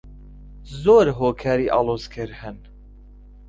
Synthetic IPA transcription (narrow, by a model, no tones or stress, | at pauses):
zoːɾɦoːkʰaːɾiːʔɑ̰ːlˠoːzkʰɨɾhɨn